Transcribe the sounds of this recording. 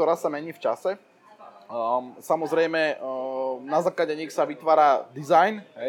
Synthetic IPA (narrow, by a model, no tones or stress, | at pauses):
ɔɾaːsamɛɲiːft͡ʃasɛ | samɔzɾɛjmɛ | nazaːklaɟɛɲixsaʋit̪ʋaːɾad̪izajnɦɛ